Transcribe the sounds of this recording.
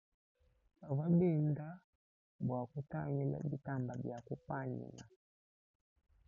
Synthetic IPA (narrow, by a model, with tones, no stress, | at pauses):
a˨βa˦bi˦˨nda˦ | bwa˨ku˦ta˦ŋi˦la̰˦bi˦ta˦˨mba˨bja˨ku˦pa˦nḭ˨la˨